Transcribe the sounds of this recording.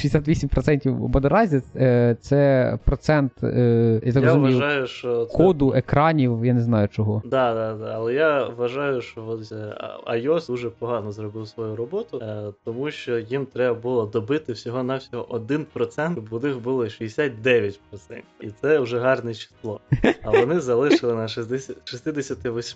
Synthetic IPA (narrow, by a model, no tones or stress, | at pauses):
ʃijʲesʲat̪ʋʲisʲimʲpɾɔt̪sɛnʲtʲiwbɔd̪ɐɾɑzʲit̪sɛpɾɔt̪sɛnt̪jat̪ɑkrɔzumɐjʊɑjʊʃt͡ʃɔkʰɔd̪ʊʔekɾɑnʲiwjaneznɑjʊt͡ʃɔɦɔd̪ɑd̪ɑd̪aːlˠɛjaʋɐʒɑjʊʃt͡ʃɔɔ̰ | ɐ̰jɔsd̪uʒɛpɔɦɑnɔzɾɔbɪwsʋɔjuɾɔbɔt̪ʊt̪ɔmuʃt͡ʃɔjimt̪ɾɛbɐbʊlˠɔd̪ɔbɪt̪ɪwsʲɔɦɔnɑwsʲɔɦɔʔɔd̪ɪnpɾɔt̪sɛnt̪bʊnɪxbulˠɔʃiesʲat̚ʲd̪ɛʋʲjɐtʲpɾɔt̪sɛ̰nʲtʲiit̪sɛʊʒɛɦɑrnɛt͡ʃi̥slˠɔɐʋɔnɪzɐlˠɪʃɪlˠɪnɐʃɛsd̪ɛsʲɐʃist̪ɪd̪esʲɐt̪ɪʋɔsʲ